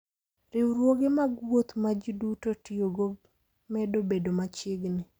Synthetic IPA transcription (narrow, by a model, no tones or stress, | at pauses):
ɾɪwɾwoɡemaɡwot̪mad͡ʒidutotioɡo | mɛdobedomat͡ʃɪɡnɪ